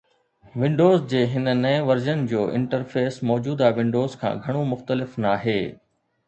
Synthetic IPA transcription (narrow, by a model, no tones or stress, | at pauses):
ʋɪ̃ɳɖoːzd͡ʑeːɦɪnənɐẽʋɐɾzənɪ̆d͡ʑoːʔɪ̰̃ɳʈəɾfeːsmɔːd͡ʑuːd̪aʋɪ̃ɳɖoːzkʰã̰ːɡʱɐɽ̃omʊxt̪əlɪfnaːɦeː